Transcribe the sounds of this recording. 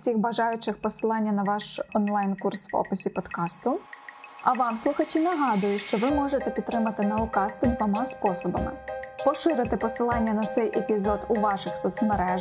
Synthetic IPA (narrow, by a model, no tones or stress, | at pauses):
sʲixbɐʒɑjʊt͡ʃɪxpɔsɪlˠɑnʲːɐnɐʋɑʃɔnlˠɑjnkursʋɔ̰pɪsʲipɔd̪kɑst̪ʊ | ɐʋɑmslˠʊxɐt͡ʃʲinɐɦɑd̪ʊjʊtʲʃt͡ʃɔʋɪmɔʒet̪ɛpʲit̪t̪ːɾɪmɐt̪ɪnɐʊkɑst̪ɪd̪ʋɔmɑspɔsɔbɐ̰mɪ̰pɔʃɪɾɪt̪ɪpɔsɪlˠɑnʲːɐnɐt̪sɛjʔepʲizɔd̪ʊʋɑʃɪxsɔt̪smeɾɛ